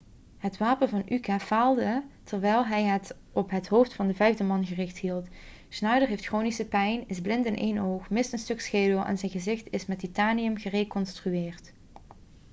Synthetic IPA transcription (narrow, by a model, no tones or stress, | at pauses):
hətʋaːpənvɑnykaːv̥aːlˠdətʰərʋɛjlˠɦɛjɦət | ɔpɦətɦowftfɑndəvɛjvdəmɑnɣərɪxtɦilˠt | snœɥdəɹɦejftxroːnisəpɛjnɪzblɪntɪnʔḛːjnowxmɪstənstɵksxeːdəlˠʔa̰nzɛjɣəzɪxtɪsmɛtitaːnijəmɣərekɔnstryɪːrt